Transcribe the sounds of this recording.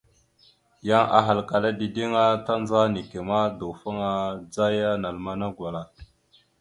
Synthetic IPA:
ja˦ŋʔa̰˨ɦa˨lka˨la˦di˨di˦ŋa˦ta˦nd͡za˦ni˨ke˨ma˦do˨fa˦ŋa˦d͡za˦ja˦na˨lma˦na˦ɡʷwa˨la˨

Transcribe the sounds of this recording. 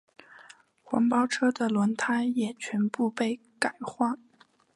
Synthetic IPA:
xwɑ̰˧˥ŋpɑ˥ʊʈ͡ʂʰɤ˥d̪ə˨lwə˧˥nt̪ʰa˥ɪjɛ˨˩t͡ɕʰɥɛ˧˥npu˥˧pe˥˩ɪ | ka˨˩ɪxwa˥

